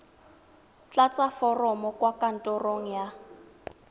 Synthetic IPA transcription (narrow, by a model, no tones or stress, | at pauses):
t͡ɬat͡sʼafɔrɔmɔkʼwakʼan̩tʼɔroŋ̩ja